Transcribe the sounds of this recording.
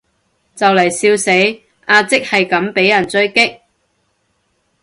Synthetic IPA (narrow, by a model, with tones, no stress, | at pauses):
t͡sɐ˨wlɐ˨˩jsiː˧wse˨˥j | ʔaː˧t͡sɪ˥k̚hɐ˨jkɐ˨˥mpe˨˥jɐ˨˩nt͡sɵ˥ɥkɪ˥k̚